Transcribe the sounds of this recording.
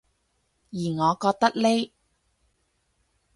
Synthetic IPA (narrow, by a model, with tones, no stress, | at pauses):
jiː˨˩ŋɔː˨˧kɔː˧k̚t̪ɐ˥k̚le˥j